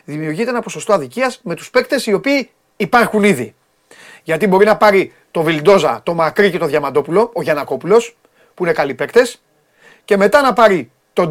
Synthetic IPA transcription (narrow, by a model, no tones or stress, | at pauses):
ðimiuɾʝit̪eenɐposo̞st̪o̞ɐðiciɐzme̞t̪u̥spe̞kt̪e̞sio̞piː | pɐɾxuniði | ʝɐt̪ibo̞ɾinɐpɐɾi | t̪o̞vild̪o̞zɐt̪o̞mɐkɾice̞t̪o̞ðʝɐmɐd̪o̞pulo̞ːʝɐnɐko̞pulo̞s | puinekɐlipe̞kt̪e̞s | ce̞me̞t̪ɐnɐpɐɾi | t̪o̞